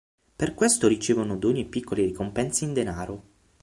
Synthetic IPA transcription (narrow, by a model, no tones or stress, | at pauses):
perkwest̪oɾit͡ʃeːvonod̪oɲːepːikʰːoleɾikompɛnseind̪enaːɾo